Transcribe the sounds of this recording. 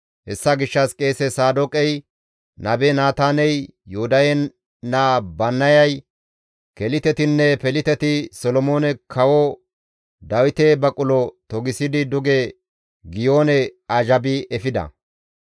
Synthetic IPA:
hɛsːɐɡɪʃːɐskʼe̞ːsɛsaːd̪ɔkʼɛj | nʔɐbɛnaːt̪aːnɛjːʊhʊd̪ɐjɛ | nabɐnːɐjɐj | kɛlɪt̪ɛt̪ɪnːɛpɛlɪt̪ɛt̪ɪsɔlɔmo̞ːnɛkʰɐwɔ | d̪ɐwɪt̪ebɐkʼʊlɔt̪ɔɡɪsɪd̪ɪd̪ʊɡe | ɡɪjo̞ːnɛɐʒɐbɪɛfɪd̪ɐ̰

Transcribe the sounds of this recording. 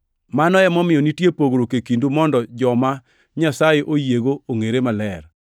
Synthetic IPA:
manɔɛmɔmɪjɔnitjepoɡɾokekindumɔndɔd͡ʒɔma | ɲasajeʔojeɡooŋeɾemalɛr

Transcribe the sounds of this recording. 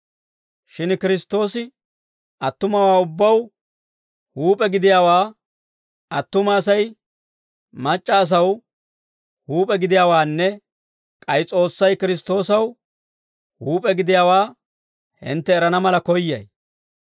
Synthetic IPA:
ʃɪnkɪɾɪst̪ːo̞ːsɪ | ɐt̪ːʊmɐwaːʊbːɐw | huːpʼɛɡɪd̪ɪjaːwaː | ɐt̪ːʊmaːsɐj | mɐt͡ʃʼːɐːs̬ɐw | huːpʼɛɡɪd̪ɪjaːwaːnːɛ | kʼɐjt͡sʼo̞ːsːɐjkɪɾɪs̬t̪o̞ːsɐw | huːpʼɛɡɪd̪ɪjaːwaː | hɪ̰nt̪ːɛːɾɐnɐmɐlɐkɔjːɐ̰j

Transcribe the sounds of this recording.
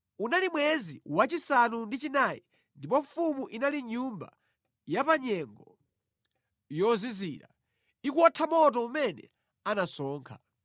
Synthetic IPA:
unalimwɛziwat͡ʃisanundit͡ʃinajḭ | ndip̬ɔfumuʔinaliɲumba̰ | japaɲɛŋɡɔ | jɔziziːɾa̰ | ikuɔtʰamɔt̬ɔumɛnɛ̰ | anasɔːŋkʰḁ

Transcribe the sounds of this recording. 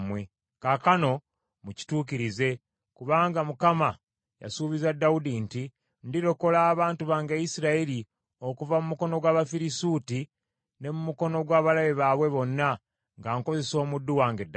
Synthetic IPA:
mwe̞ | kakano̞ | muci̥tuːkiɾize̞ | kuβaːŋɡamukama | ja̰suːβizadːaudinti | ndiɾo̞ko̞laːβaːntuβaːŋɡajisiɾaeli | o̞kuvamumuko̞no̞ɡwaːβafiɾisuti | ne̞mumuko̞no̞ɡwaːβalaβeβaːβwe̞βo̞nːa | ŋɡaːŋko̞ze̞so̞ːmudːuwaːŋɡedː

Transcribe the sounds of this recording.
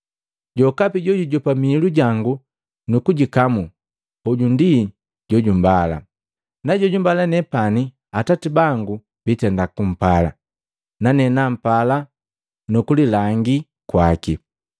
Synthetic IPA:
ɟɔkapiɟɔɟuɟɔpamiːluɟaŋɡu | nukuɟikamu | hɔɟundi | ɟɔɟumbala̰ | naɟɔɟumbalanɛpani | atatibaŋɡu | b̥itɛndakum̩pala̰ | nanɛnam̩pala | nukulilaŋɡi | kwaki

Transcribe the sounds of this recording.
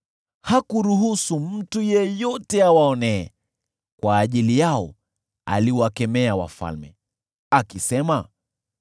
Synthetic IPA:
hakuɾuɦusum̩tujɛjɔtɛawaɔnɛ̰ː | kwaːʄilijaɔ | a̰liwakɛmɛawa̰fa̰lmɛ | akisɛma

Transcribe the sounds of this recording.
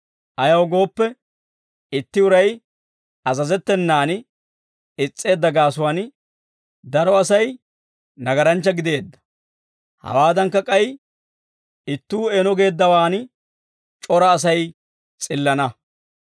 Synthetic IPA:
ʔɐjɐwɡo̞ːpːɛ | ɪt̪ːɪʊɾɐj | ɐzɐzɛt̪ːɛnːaːn | ɪt͡sʼːe̞ːd̪ːɐɡaːsʊwaːn | d̪ɐɾɔɐsɐj | nɐɡɐɾɐnt͡ʃːɐɡɪd̪e̞ːd̪ːɐ̥ | hɐ̰waːd̪ɐŋkːɐkʼɐj | ɪt̪ːuːeːnɔɡe̞ːd̪ːɐwaːn | t͡ʃʼɔɾɐːs̬ɐj | t͡sʼɪlːɐnɐ

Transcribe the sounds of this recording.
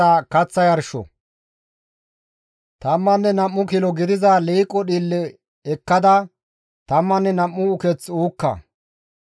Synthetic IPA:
aːkɐt͡sːɐjɐɾʃɔ̰ | t̪ɐmːɐnːɛnɐmːʊkɪlɔɡɪd̪ɪzɐliːkʼːɔɗiːlːɛ | ɛkːɐd̪ɐ | t̪ɐmːɐnːɛnɐmːʊʊkɛt͡suːkːɐ̰

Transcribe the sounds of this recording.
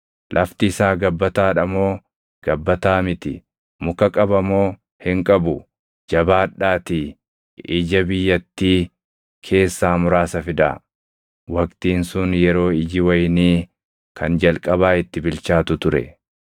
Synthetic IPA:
lʔɐft̪ɪːsaːɡɐbːɐt̪aːᶑɐmo̞ː | ɡ̥ɐbːɐt̪aːmɪt̪ɪ̰ | mʊkɐkʼɐbɐmo̞ː | hɪŋkʼɐbʊ | d͡ʒɐbaːᶑːaːt̪i | ɪd͡ʒɐbɪjːɐt̪ːiː | kʰe̞ːsːaːmʊɾaːsɐfɪd̪a̰ | wɐkt̪iːnsʊnjɛɾo̞ːɪd͡ʒɪwɐjniː | kʰɐnd͡ʒɐlkʼɐbaːɪt̪ːɪbɪlt͡ʃaːt̪ʊt̪ʊɾɛ̰

